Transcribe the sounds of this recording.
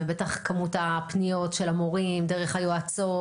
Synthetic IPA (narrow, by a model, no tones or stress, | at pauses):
ebetaχkamutapnijo̞tʃelamoʁimdeʁeχhajoat͡so